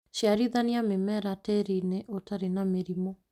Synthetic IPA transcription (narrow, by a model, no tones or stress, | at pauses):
ʃiaɾiðaniamemɛɾatɛɾineʔotaɾenameɾimo